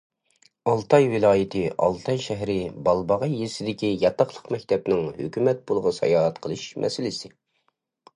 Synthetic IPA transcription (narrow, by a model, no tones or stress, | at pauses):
ɑlˠt̪ʰɑjwɪlˠɑːjɪt̪ʰɪʔɑ̰lˠt̪ʰɑjʃɛɦɾɪbɑlˠbɑʁɑjesɪd̪ɪkʲijɑt̪ɑχlˠəqmɛk̚ʲt̪ʰɛpnɪŋhø̰kʲymɛt̪̚bolˠʁɑsɑ̰jɑːʁɛt̪qʰəlˠɨʃmʔɛ̰sɪlɪsɪ